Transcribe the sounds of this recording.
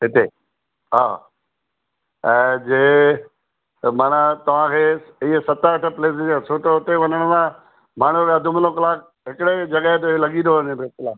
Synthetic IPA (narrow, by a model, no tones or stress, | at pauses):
ɦɪt̪e | ɦaː | ɛ̃ːd͡ʑeː | maːnət̪ɐʋ̤ãkʰeːɪɦesɐt̪aəʈʰə̆pleːs̬d͡ʑãsʰoːʈoʊt̪eʋɐɲəɽ̃əmã | maːɳ̤uɾɐd̪ʱʊmlokɐlaːkʰ | ɦɪkɪɽed͡ʑɐɡaɦet̪̬elɐɠĩnd̪oʋənẽbetɪlaː